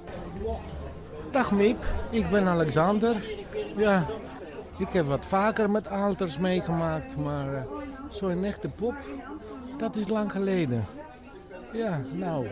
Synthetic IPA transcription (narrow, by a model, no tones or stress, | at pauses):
daxmipɪk̚bɪnalɛksandərja | ɪkhɛpʋɔtfaːkərmɛtʰaːltərsmeːɣəmaːk̚tmarsoɪnɛxtəpop | d̥ɔtɪslaŋxəleːdə | janaw